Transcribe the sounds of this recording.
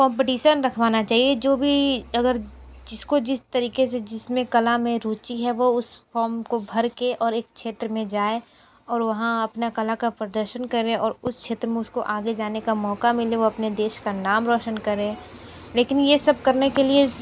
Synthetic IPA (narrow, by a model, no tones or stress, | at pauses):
kɔ̃ːmp̬ɪʈiːʃənɾɐkʰʋaːnat͡ʃaːɦied͡ʒoːbʱiɐɡəɾd͡ʒɪskod͡ʒɪst̪ɐɾiːkesed͡ʒɪsmẽkɐlamẽɾuːt͡ʃiɦɛʋoʊsfɔːɾmkobʱɐɾkeʔɔːɾeːk̚ʃeːt̪ɾəmẽd͡ʒaːe | ɔːɾʋɐɦãɐpnakɐlakapɾɐd̪əɾʃənkɐɾẽɔːɾʊskʰʃʰeːt̪ɾəmẽʊskoʔaːɡed͡ʒaːnekamɔːkamɪleʋoɐpned̪eːʃkanaːmɾɔːʃənkɐɾẽ | leːkɪnjesɐb̚kɐɾnekelie